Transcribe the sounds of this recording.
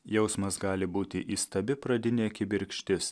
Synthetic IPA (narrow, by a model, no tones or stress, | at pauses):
jɛʊsmɐsɡɑːlʲɪbuːt̪ʲɪʔiːst̪ɐbʲɪpɾɐd̪ʲɪnʲeɐkʲɪbʲɪɾʲkʃʲt̪ʲɪs